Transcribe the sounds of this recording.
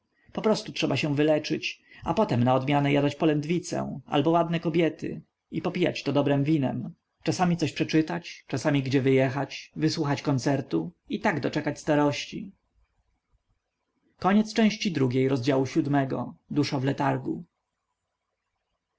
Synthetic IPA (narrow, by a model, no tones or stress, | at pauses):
pɔpɾɔst̪utʂɛbaɕɛ̃vɘlɛt͡ʂɘt͡ɕapɔt̪ɛmnaɔd̪mʲjanɛjad̪at͡ɕpɔlɛnd̪vʲit̪sɛ̰ʔa̰lbɔwad̪nɛkɔbʲjɛt̪ɘ̰ | ipɔpʲija̰t͡ɕt̪ɔd̪ɔbɾɛmvʲinɛ̰m | t͡ʂasamʲit̪sɔɕpʂɛt͡ʂɘt̪at͡ɕt͡ʂasamʲiɡd͡ʑɛvɘjɛxat͡ɕvɘswuxat͡ɕkɔnt̪sɛɾt̪u | it̪aɡd̪ɔt͡ʂɛkat͡ɕst̪aɾɔɕt͡ɕḭ | kɔɲɛt̪st͡ʂɛ̃w̃ɕt͡ɕid̪ɾuɡʲejɾɔzd͡ʑawuɕud̪mɛɡɔ̰d̪uʂavlɛt̪aɾɡṵ